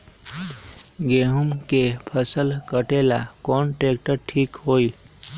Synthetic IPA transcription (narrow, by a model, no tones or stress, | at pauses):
ɡeɦumkepʰəsəlkəʈelakɔnʈek̚ʈəɾʈʰiːkɦoil